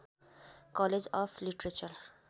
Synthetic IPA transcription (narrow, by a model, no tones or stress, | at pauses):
kɔled͡ʒɔfliʈɾet͡ʃəl